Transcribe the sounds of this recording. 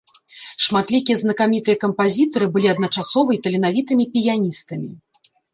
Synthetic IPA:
ʂmat̪lʲikʲijɛznɐkamʲit̪ɨjɐkɐmpazʲit̪ɐɾɨbɨlʲiɐd̪nɐt͡ʂasɔvɐjt̪ɐlʲɛnavʲit̪ɨmʲipʲijanʲist̪ɐmʲi

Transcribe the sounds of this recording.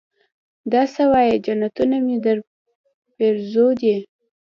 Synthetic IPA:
d̪ɑsawɑjed͡ʒanat̪unamid̪əɾ | peɾzod̪i

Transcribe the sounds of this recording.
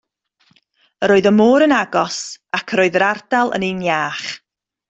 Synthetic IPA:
əɾoːɨðəmoːɾənaɡɔsakʰəɾoːðəɾardalˠə̰nenjaːχ

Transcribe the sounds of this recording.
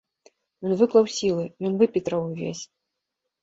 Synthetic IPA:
jɔnvɨklˠɐwsʲilˠɨjɔnvɨpʲit̪ɾɐwvʲḛsʲ

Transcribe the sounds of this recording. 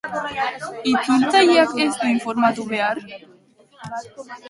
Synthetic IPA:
it̪unt̪ajiakest̪uiɱfoɾmat̪uβeaɾ

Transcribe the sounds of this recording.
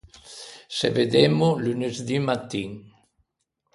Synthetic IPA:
sḛved̪emulynezd̪imat̪ːiŋ

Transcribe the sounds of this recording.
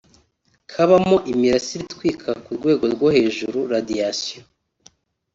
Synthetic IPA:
kʰaβamoʔimiɾasiɾitkwiːkʰakuɾɡwe̞ːɡo̞ɾɡohe̞ːʒuɾuɾadiasijo

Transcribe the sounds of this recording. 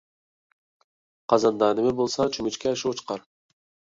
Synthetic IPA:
qʰɑzɑnd̪ɑːnɪmɪbolˠsɑt͡ʃʰymyt͡ʃkʲʰɛʃot͡ʃqɑɾ

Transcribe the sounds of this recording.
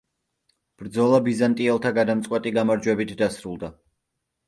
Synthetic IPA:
b̥ɾd̪zɔlˠabizant̪ʼiɛlˠt̪ʰaɡad̪amt̪sʼqʼwɛt̪ʼiɡamaɾd͡ʒwɛbit̪ʰd̪asɾulˠd̪a

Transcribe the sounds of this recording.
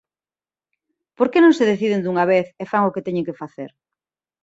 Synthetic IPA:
poɾkenõŋseðeθið̞end̪uŋaβ̞eθefaŋoket̪ɛɲẽŋkefaθḛɾ

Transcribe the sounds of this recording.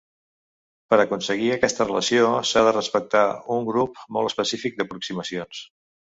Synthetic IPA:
pəɾəkunsəɣiəkɛst̪ərələsiosaðərəspək̚t̪auŋɡɾup̚mɔlˠəspəsifik̚d̪əpɾuksiməsions

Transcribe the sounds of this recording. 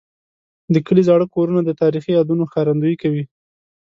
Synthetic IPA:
d̪əkəlizɑɽəkoɾunad̪ət̪ɑɾixijɑd̪unoxaɾand̪uikawi

